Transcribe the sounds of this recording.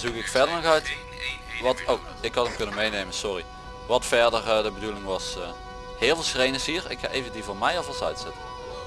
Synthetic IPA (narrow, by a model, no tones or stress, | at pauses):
zukɪkfɛɹdəɹnɔxœɥt | ʋɑtow | ɪkhɑtəmkɵnənmejnejmənsɔri | ʋɑtfɛɹdərdəbədulɪŋʋɑs | hɪːlˠvɪlˠsxrejnəsɦiːɹɪ̰kxa̰ʔejvəndivoːmɛjɑfɑlˠsœ̰ɥtsɪtən